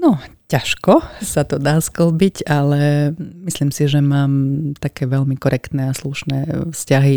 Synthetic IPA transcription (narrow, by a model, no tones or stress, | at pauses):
nɔcaʃkɔsat̪ɔd̪aːsklbicalɛmislimsiʒɛmaːmt̪akɛːʋɛlmikɔɾʔɛkt̪nɛasluʃnɛːfscaɦi